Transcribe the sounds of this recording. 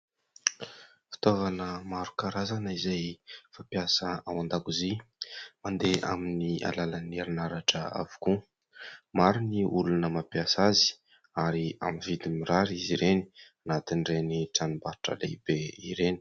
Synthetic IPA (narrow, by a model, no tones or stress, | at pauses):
fi̥t̪ovanəmaɾu̥kaɾazanəizajfapjasəawand̪akuzimand̪eʔa̰minia̰laləneɾinaɾaʈ͡ʂə̰a̰vu̥ku | maɾuniulunəmapjasazi̥ | aɾia̰minvid̪imiɾaɾiziɾeni̥anat̪inreniʈ͡ʂanumbaɾʈ͡ʂə̰lḛbeiɾeni̥